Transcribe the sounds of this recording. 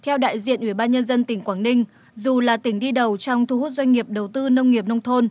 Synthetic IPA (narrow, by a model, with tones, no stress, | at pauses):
t̪ʰɛ˧wɗa̰ː˧˨jzḭ˧˨ənʔwi˧˩ɓaː˧nɲə˧nzə˧nt̪ï˧˩ŋ̟kwaː˧˩nnï˧ŋ̟ | zu˨˩laː˨˩t̪ï˧˩˦ŋ̟ɗi˧ɗə˨˩wt͡ɕɔ˧wŋ͡mt̪ʰu˧hu˦˥t̚zwa˧ŋ̟ŋi˨˩əp̚ɗə˨˩wt̪ɨ˧nə˧wŋ͡mŋi˨˩əp̚nə˧wŋ͡mt̪ʰo˧n